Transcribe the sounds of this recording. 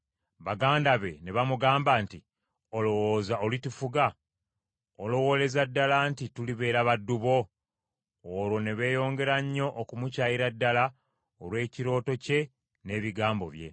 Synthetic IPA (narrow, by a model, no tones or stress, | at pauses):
βaɡaːndaβe̞ne̞βamuɡaːmbanti | olowoːzaolitufuɡa | olo̞wo̞le̞zadːalantituliβe̞ːɾaβadːuβo̞ | ɾwo̞ne̞βe̞ːjo̞ːŋɡe̞ɾaɲːo̞ʔːkumucaːjiɾadːala | olwe̞ːciɾo̞ːto̞ce̞ | ne̞ːβiɡaːmbo̞̰βje̞̰